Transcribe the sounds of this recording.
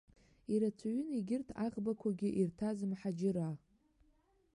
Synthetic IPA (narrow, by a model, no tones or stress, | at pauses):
iɾat͡sʷʰaɥʏniɡʲɪrtʰaʁbakʷʰaɡʲɪʔirtʰazɨmħad͡ʒɪɾa